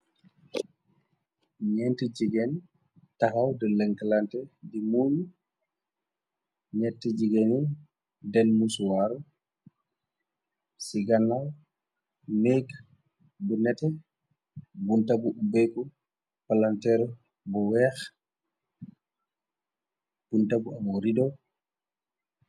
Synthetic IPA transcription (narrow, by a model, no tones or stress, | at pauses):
ɲɛntəd͡ʒiɡɛn | taxawdəlɛŋkalantɛdimuːɲu | ɲɛtːəd͡ʒiɡɛni | dɛnmuswaɾu | siɡanːaw | mɛɡ | bunɛtɛ | buntabuubɛkɔ | palantɛɾ | bɔwɛːx | b̥untabuamɔɾidɔw